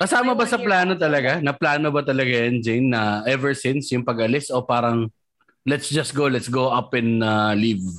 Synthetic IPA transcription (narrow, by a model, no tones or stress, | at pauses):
kɐsaːmɐbɐsɐplaːno̞t̪ɐlɐɡanɐplaːnobɐt̪ɐlɐɡajɐnd͡ʒɛnːɐʔɛvɛɹsɪ̃nsjʊŋpɐɡɐlɪsopaːɾɐŋ | lɛt̪sd͡ʒɐsɡolɛt̪sɡowʔɐpɛ̃nɐliv